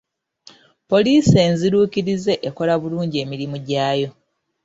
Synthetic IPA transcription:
po̞liːse̞ːnziɾuːkiɾize̞ʔeko̞laβuluːɲɟie̞ːmiɾimuɟaːjo̞

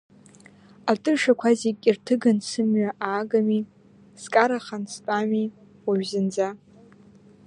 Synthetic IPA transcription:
atʼɨrʂakʷʰazikʲʼirtʰɨɡansɨmɥaʔaːɡami | skʼaɾaχanstʼami | waɥzɨnd͡za

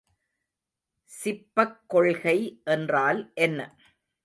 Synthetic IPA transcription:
sɪpːɐkːɔɭɣɐɪʔɛndraːlʔɛnːɐ

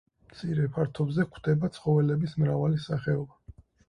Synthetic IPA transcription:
mt̪sʰiɾɛpʰaɾt̪ʰɔbzɛkʰd̪ɛbat̪sʰχɔvɛlɛbismɾavalisaχɛɔba

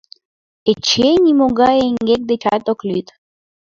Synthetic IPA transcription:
et͡ʃenʲimoɡaeŋɡek̚d̪et͡ʃat̪oklyt̪

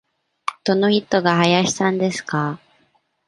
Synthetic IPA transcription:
d̪̥o̞no̞çit̪ːo̞ɡaɦajaɕi̥sãnd̪e̞sɨ̥ka

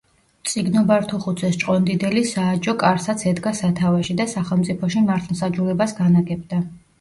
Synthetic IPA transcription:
t̪sʼiɡnɔbaɾt̪ʰuχut̪sʰɛst͡ʃʼqʼɔnd̪id̪ɛlisaːd͡ʒɔkʼaɾsat̪sʰɛd̪ɡasat̪ʰavaʃid̪asaχɛlˠmt̪sʼipʰɔʃimaɾt̪ʰmsad͡ʒulɛbasɡanaɡɛb̚d̪a

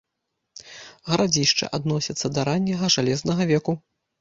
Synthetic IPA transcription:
ɣɐɾad͡zʲiʂt͡ʂɨ̰ʔad̪nɔsʲɐt̪sːɐd̪ɐɾanʲːɐɣɐʐalʲɛznɐɣɐvʲɛku

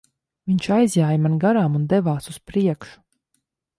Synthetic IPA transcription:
viɲt͡ʃajzʲjaːjmanɡaɾaːmund̪ɛvaːsuspɾiɛkʃu̥

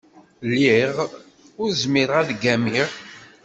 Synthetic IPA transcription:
lːiʁ | ʊɾzmiɾæðɡæmiʁ

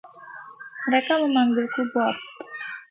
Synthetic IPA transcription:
məɾekaməmambɪlkubɔp̚

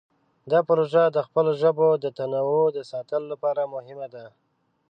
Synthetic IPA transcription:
d̪ɑpʊɾoʒad̪əxpəloʒəbod̪ət̪anawod̪əsɑt̪əlolapɑɾamʊhɪmad̪a

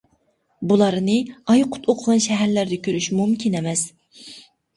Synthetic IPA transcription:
bulˠɑɾnɨɑjqʰʊ̥t̪ʰoqʰəʁɑnʃɛɦæɾlæɾd̪ɛkʲʰøɾyʃmumkʲʰinɛmɛs

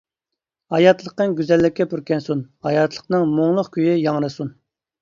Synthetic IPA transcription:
hɑjɑt̪lˠəqəŋɡʲyzɛlːɪkʲːɛpuɾkʲɛnsunhɑjɑt̪ʰlˠə̥qnɨŋmoŋlˠʊqkʲyjijɑŋɾɨsun

